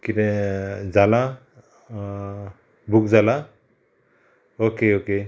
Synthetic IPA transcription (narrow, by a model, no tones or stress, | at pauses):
kinɛzala | bukzala | okeoke